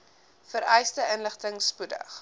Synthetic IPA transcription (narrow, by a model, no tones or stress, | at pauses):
fəɾɛjstəʔənləχtəŋspudə̰χ